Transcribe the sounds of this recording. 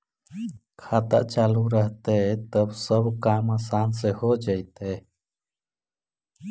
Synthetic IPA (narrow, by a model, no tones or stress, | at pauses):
kʰat̪a̰ʔt͡ʃaluɾəɦt̪et̪əbsəbkamasansɛhod͡ʒajt̪e